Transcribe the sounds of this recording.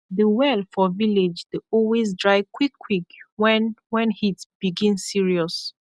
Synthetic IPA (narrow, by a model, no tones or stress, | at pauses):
ðəwɛlˠfɔviled͡ʒdeɔlwezdɹaɪkʰwikʰːwikwɛwɛ̃nhitb̥iɡĩnsiɹiɔs